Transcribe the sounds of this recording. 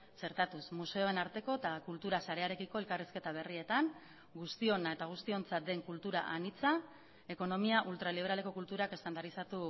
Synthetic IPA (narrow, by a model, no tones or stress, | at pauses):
se̞ɾt̪at̪usmuse̞o̞e̞naɾt̪e̞ko̞et̪akult̪uɾasaɾe̞aɾe̞kiko̞e̞lkariske̞t̪aβ̞e̞rie̞t̪aŋ | ɡust̪io̞nae̞t̪aɣ̞ust̪io̞nt͡sat̪̚d̪e̞ŋkult̪uɾa̰ʔanit͡sa | e̞ko̞no̞miaʔult̪ɾaliβ̞e̞ɾale̞ko̞kult̪uɾake̞st̪and̪aɾisat̪u